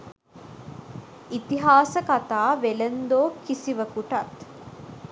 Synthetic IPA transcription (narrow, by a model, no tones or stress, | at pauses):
it̪iɦaːsəkat̪aːʋelend̪oːkisiʋəkuʈɐt̪